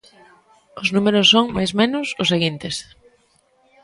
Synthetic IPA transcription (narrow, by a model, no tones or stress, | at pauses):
ʊznumeɾʊsːoŋmajzmẽnʊsʊseɣint̪ɪs